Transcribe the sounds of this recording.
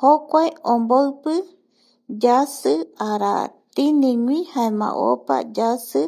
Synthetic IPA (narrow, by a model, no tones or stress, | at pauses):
hokʷaeomboɨpɨ | d͡ʒasɨaɾa̰t̪inĩɲwĩhaemã̰ʔo̰pa̰d͡ʒasɨ